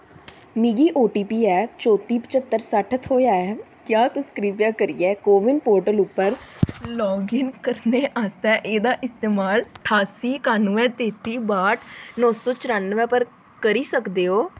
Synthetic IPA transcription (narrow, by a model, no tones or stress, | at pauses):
miːɡiːʔoːʈiːpiːɛːt͡ʃoːt̪iːpət͡ʃət̪ːəɾsəʈʰət̪ʰɦoːjaːɛː | kjaːt̪ʊskɾiːpjãːkəɾiːɛːkoːʋɪnpoːɾʈəlʊpːəɾlɔ̃ːɡɪnkəɾneːʔaːst̪ɛːʔeːd̪aːʔɪst̪eːmaːlʈʰaːsiːkaːnũːɛ̃ːt̪eːt̪iːbaːʈnɔːsoːt͡ʃəɾaːnːəʋɛ̃ːpəɾ | kəɾiːsəkd̪eːɦoː